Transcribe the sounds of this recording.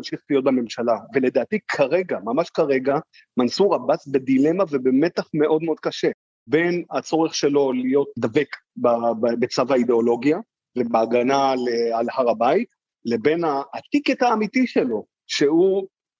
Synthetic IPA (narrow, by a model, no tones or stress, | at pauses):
nʃiχtijo̞t̚beme̞mʃalavele̞d̪aːt̪ikʰaʁe̞ɡamamaʃkaʁe̞ɡa | mansuʁabasbed̪ilemave̞beme̞t̪aχme̞ʔo̞d̪̚meod̪kaʃe̞ | be̞nat͡so̞ʁeχʃe̞lo̞lijo̞t̚d̪ave̞k | babe̞t͡savaid̪eo̞lo̞ɡia | vebeaɡanalealhaʁabait | le̞be̞naːt̪iketaːmit̪iʃelo̞ | ʃe̞hu